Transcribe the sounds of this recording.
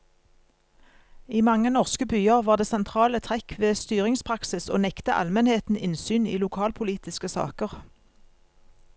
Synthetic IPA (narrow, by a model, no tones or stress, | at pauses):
iːmɑŋənɔʁskəbyːəʁʋɑːʁd̪eːsɛnt̪ʰʁɑːlət̪ʰʁɛkʋeːst̪yːʁɪŋspʰʁɑksɪso̰ːnɛkt̪əʔɑ̰lmɛnheːt̪n̩ɪnsyːnḭːlʊkʰɑːlpʰʊliːt̪ɪskəsɑ̰ːkəʁ